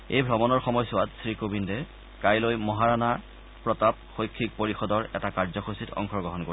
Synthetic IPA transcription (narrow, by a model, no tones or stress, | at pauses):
ḛjbʱɹɔmɔnɔɹxɔmɔjsʊatsɹikobindɛ | kajlojmɔɦaɹana | pɹɔtap̚xojkʰːik̚poɹixɔdɔɹɛ̰takaɹzɔxositʰɔ̰ŋxʰɔɹɡɔɦɔnko